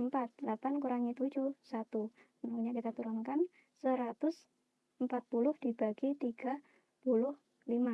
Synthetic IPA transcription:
əmpat̪̚lapankuɾaŋit̪u̥d͡ʒusat̪u | naŋuɲakit̪at̪uɾaŋkan | səɾat̪ʊs | əmpat̪̚pulʊhd̥ibaɡ̥it̪iɡ̥a | pulʊh | lima

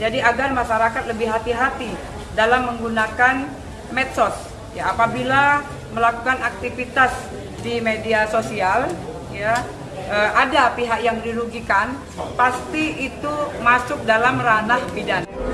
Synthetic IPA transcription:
d͡ʒadiaɡarmaʃaɾakat̪̚ləbɪhɦat̪iɦat̪i | dalamːəŋɡunakan | mɛt̪̚sɔs | jaːpabila | məlakukanak̚t̪ifit̪as | dimediasosial | ja | əʔadapiɦakjaŋdiluɡikan | past̪iit̪umasʊk̚dalamranahbidan

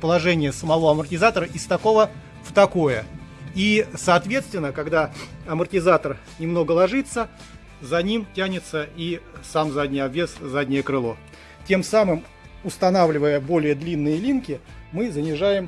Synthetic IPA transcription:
pəlˠɐʐɛnʲɪjəsəmɐvo̞ɐmərtʲɪzat̪əɾəʔɪst̪ɐko̞və | ft̪ɐko̞jəisɐːt̪vʲe̞t̪st̪vʲɪnːəkɐɡd̪aɐmərtʲɪzat̪ər | nʲɪmno̞ɡəlˠɐʐɨt̪sːə | zɐnʲimtʲænʲɪt̪səisamzadʲnʲɪjɐbʲeszadʲnʲɪjəkɾɨlˠo̞ | tʲe̞msamɨm | ʊst̪ɐnavlʲɪvəjəbo̞lʲɪjəd̪lʲinːɨjəlʲinkʲɪ | mɨzənʲɪʐajɪm

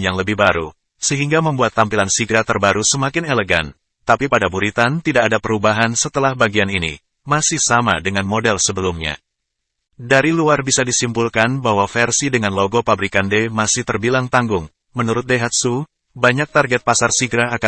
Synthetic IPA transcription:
jaŋləbɪhbaɾṵ | səɦiŋɡaməmbuat̪ːampilansiɡɾat̪ərbaɾusəmakɪneləɡa̰n | t̪apipadabuɾit̪ant̪idakːdapəɾubaɦansət̪əlahbaɡianinḭ | masɪhsama̰dəŋanmodɛlsəbəlumɲa̰ | daɾiluarbisadisimpulkanbaɦwafɛrsidəŋanloɡopabɾikandemasɪht̪ərbilaŋt̪aŋɡʊŋ | mənuɾʊt̪̚deɦat̪̚su | baɲak̚t̪arɡɛt̪̚pasarsiɡɾaːka

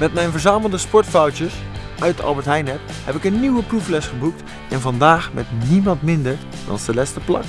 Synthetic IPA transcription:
mɛtmɛjnvəɹzaːməlˠdəspɔɹtfɔwtəs | ʔœɥtɑ̰lˠbəɹtɦɛjnɛp̚ | hɛpɪkənːiwəpruflɛsχəbuk̚t | ʔɛnvɑndaːχmɛtnimɑntmɪndəɹ | d̥ɑ̰nstəlɛstəplɑ̰k

